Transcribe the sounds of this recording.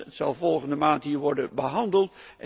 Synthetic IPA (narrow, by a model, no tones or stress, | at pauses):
ətsɑ̰lˠvɔlˠχəndəmaːntɦiːɹʋɔɹdənbəɦɑndəlˠtʔɛ